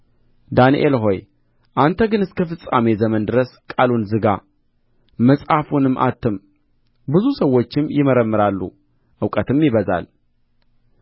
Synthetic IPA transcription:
d̪anḭʔelɦo̞j | ʔant̪ʰəɡɨnɨskʰəfɨsʼame̞zəmənd̪ɨɾəskʼalunzɨɡa | məsʼhafunɨmːʔa̰t̪ʰːɨm | bɨzusəwːo̞t͡ʃːɪmjɪməɾəmːɨɾalːṵ | ʔɨwkʼət̪ʰɨmjɪβəza̰l

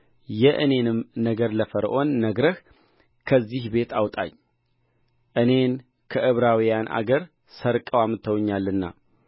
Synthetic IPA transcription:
jɛʔɨne̞nɨmnəɡəɾləfəɾʔo̞nːəɡɾəh | kʰəzːihbe̞t̪ʰawt̪ʼa̰ɲː | ʔɨne̞n | kʰəʔɨβɾawijanʔa̰ɡəɾ | səɾkʼəwamɨt̪ʰːəwɲːalːɨnːa̰

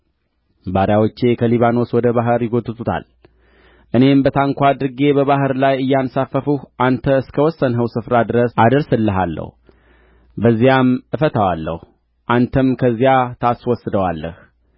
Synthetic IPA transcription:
baɾjawot͡ʃːe̞kʰəliβano̞swɔd̪əβaɦɨɾjɪɡot̪ːɨt̪ʰut̪ʰa̰l | ʔɨne̞mbət̪ʰaŋkʷad̪ɾɨɡe̞bəβaɦɨɾlajɨjːansafːəfuhʔant̪ʰəɨskʰəwɔsːənɦəwsɨfɾad̪ɨɾəsʔad̪əɾsɨlːəɦa̰lːə̰hu | bəzːijamʔɨfət̪ʰawalːə̰h | ʔant̪ʰəmkʰəzːijat̪ʰaswɔsːɨd̪əwalːə̰h

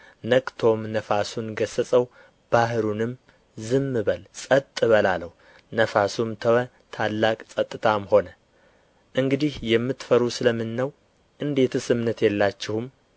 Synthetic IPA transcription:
nəkʼt̪ʰo̞mnəfasunɡəsəsʼəw | b̥aɦɾunɨm | zɨmːɨβəlsʼət̪ʼːɨβəlaləh | nəfasumt̪ʰəwə | t̪ʰalːakʼsʼət̪ʼːɨt̪ʰamho̞nə | ʔɨŋɡɨd̪ihjɛmːɨt̪fəɾusɨləmːɨnːəw | ʔɨnd̪e̞t̪ʰsɨmnət̪jɛlːat͡ʃːɪhum

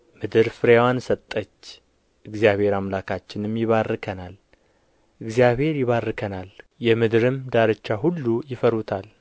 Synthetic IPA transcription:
mɨd̪ɨɾfɨɾewansət̪ʼːət͡ʃː | ʔɨɡzjaβhe̞ɾamlakʰat͡ʃːɪnmjɪβarːɨkʰənal | ʔɨɡzjaβhe̞ɾjɪβarːɨkʰənaljɛmɨd̪ɨɾɨmd̪aɾɨt͡ʃːaɦulːujɪfəɾut̪ʰal

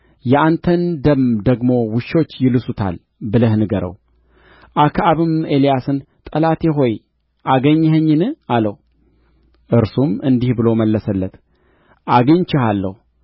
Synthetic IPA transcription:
jɛʔant̪ʰənd̪əmd̪əɡmo̞wɨʃːo̞t͡ʃːjɪlɨsut̪ʰa̰l | bɨləhnɨɡəɾə̰w | ʔakʰaβɨme̞lijasɨn | t̪ʼəlat̪ʰeɦo̞j | ʔaɡəɲːhəɲːɨnɨaləh | ʔɨɾsumɨnd̪ihbɨlo̞məlːəsəlːət̪ | ʔaɡɨɲt͡ʃɪhalːə̰hu

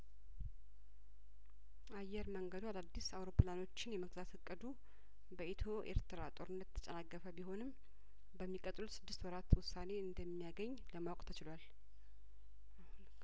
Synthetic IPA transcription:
ʔajːɛɾməŋɡəd̪ualad̪ːisawɾo̞plano̞t͡ʃːɪnjɛməɡzat̪ɨkʼːəd̪u | bəet̪ʰo̞ʔḛɾt̪ʰɨɾat̪ʼo̞ɾɨnːət̪ʰːə̥t͡ʃʼənakːəfəbiɦo̞nɨm | bəmːikʼət̪ʼlusɨd̪ːɨst̪wɔɾat̪wʊsːane̞ɨnd̪əmːijaɡəɲːləmawkʼt̪ʰət͡ʃɪlwal

